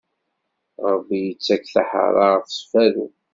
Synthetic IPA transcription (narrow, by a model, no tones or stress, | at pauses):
ɾˤəbːijət͡sːækːθa̰ħə̰ɾˤɑʁəfsfæðṵ